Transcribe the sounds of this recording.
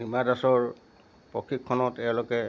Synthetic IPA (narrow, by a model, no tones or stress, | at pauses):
imadasɔɹ | pɹɔkʰɹikʰːɔnɔtɛlokɛ